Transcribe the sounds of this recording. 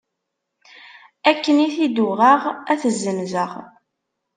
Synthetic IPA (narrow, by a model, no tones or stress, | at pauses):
ækːəniθid̪uʁaʁæθəzːəmzəʁ